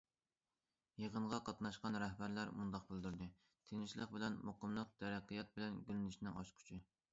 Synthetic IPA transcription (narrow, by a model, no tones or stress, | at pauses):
jeʁəɴʁɑqʰɑt̪nɑʃqɑnɾɛhbæɾlæɾmund̪ɑq̚bɪld̪yɾd̪ɨ | t̪ʰenɪʃlˠəqbɪlɛnmoqəmlˠəq̚t̪ʰɛɾɛqʰːijɛt̪̚bɪlɛnɡʲylɪnɪʃnɪŋɑ̰ʃqʰy̥t͡ʃʰɪ